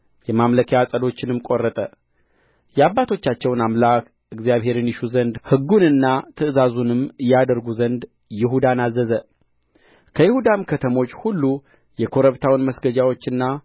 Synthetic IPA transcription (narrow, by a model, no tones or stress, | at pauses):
jɛmamləkʰejasʼəd̪o̞t͡ʃːɪnɨmkʼo̞rːət̪ʼə | jɛaβːat̪ʰo̞t͡ʃːat͡ʃːɛwnamlak | ɨɡzijaβɦe̞ɾɨnjɪʃuzənd̪hɨɡːunɨnːat̪ʰɨʔɨzazunɨmɨjad̪əɾɡuzənd̪ | jɪɦud̪anazːəzə | kʰəjɪhud̪amkʰət̪ʰəmo̞t͡ʃːhulːu | jɛkʰo̞ɾəβt̪ʰawnməsɡəd͡ʒawo̞t͡ʃːɨnːa